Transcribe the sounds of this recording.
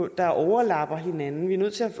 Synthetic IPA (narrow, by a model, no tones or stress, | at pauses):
d̥ɑ̈ʔɒʊɐlɑ̈b̥ɐɦe̝nænn̩ʋiɐnøð̰ˠt͡sʰe̝læf